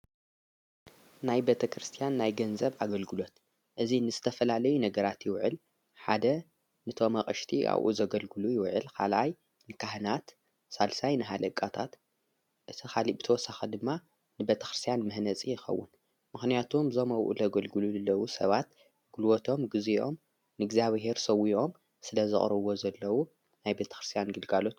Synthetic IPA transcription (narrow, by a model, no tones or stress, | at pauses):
najbet̪ʰɐkɾɨst̪ʰijanːajɡɐnzɐβʔaɡɐlɡɨlo̞t̪ | ʔɨzinɨzɨt̪ʰɐfɐlalɐjunɐɡɐɾat̪jɪwʕɨ̰l | ħad̪ɐ | nɨt̪ʰo̞mɐχʼɐʃt̪ʰiʔa̰βʔṵzɐɡɐlɡɨlujɪwʕɨ̰lkʰa̰lʔaj | nɨkʰaɦnat̪ | salsajnɨɦad̪ɐkʼːat̪ʰa̰t̪ | ʔɨt̪ʰixʰalibɨt̪ʰɐwɔsaxɐd̪ɨmːa | nɨbet̪ʰɐ̥xɾɨst̪ijanmɨhnɐt͡sʼijɪxɐ̰wːʊ̰n | mɨxnijat̪ʰumzomɐwʔṵlɐɡɐlɡɨluzɨlːɐwusɐβat̪ | ɡ̥ɨlwot̪ʰo̞mɡɨziʔo̞m | nɨɡzjaβɦe̞ɾsɐwiʔo̞m | sɨlɐzɨχʼɾɐβo̞zɐlːɐwu | najbet̪ʰɐ̥xɾɨst̪ʰijanɡɨlɡalo̞t̪